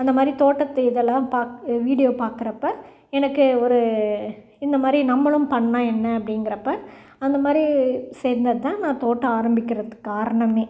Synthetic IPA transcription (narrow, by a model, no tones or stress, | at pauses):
ɐnd̪ɐmaːd̪ɾit̪oːʈːɐt̪ːɐɪðɛlːãːpaːʋiːɽɪjoːpaːɾkɯɾɐpːɐ | ɛnɐkːɯɔɾɯ | ɪnd̪ɐmaːd̪ɾinɐmːɐɭɯmpɐɳːãːɛnːɐɐpːɐɽɪŋɡɪɾɐpːɐ | ɐnd̪ɐmaːd̪ɾisɛːɾnd̪ɐðɯt̪ãːnãːt̪oːʈːɐaːɾɐmbɪkːɪɾɐðɯkːaːɾɐɳɐmeː